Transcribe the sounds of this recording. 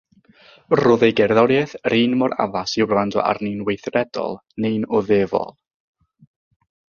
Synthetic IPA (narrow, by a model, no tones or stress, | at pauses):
rʊðejɡɛrðɔɾjɛθriːnmɔɾa̰vasɪwblˠandɔ̰ʔa̰rninwejθrɛdɔ̰lˠnenɔðeːvɔ̰lˠ